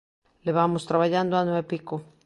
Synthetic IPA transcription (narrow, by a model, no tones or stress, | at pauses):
leβamost̪ɾaβaʎand̪oanweepiko